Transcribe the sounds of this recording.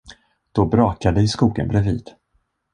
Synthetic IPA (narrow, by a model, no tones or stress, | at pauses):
d̪̥ɔbɾɑːkad̪əɪskuːɡə̰nbɾɛvḭːd̪̥